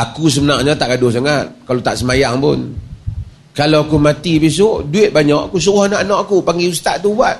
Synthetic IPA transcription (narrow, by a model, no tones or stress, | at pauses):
akus̬əmənaʔɲat̪aʔɡadʊhs̬aŋat̪̚kalot̪aʔsəmajaŋpʊ̰n | kalaakumat̪ipis̬oʔduɪt̪̚baɲaʔakus̬uɣohnaʔanɔʔakupaŋɡiust̪aʔt̪ubwat̪̚